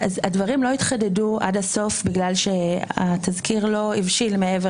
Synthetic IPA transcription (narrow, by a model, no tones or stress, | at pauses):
azadvɐʁimloit̪χadedua̰daso̞fbiɡlalʃe̞at̪ʰazkiʁlo̞ivʃilmeeve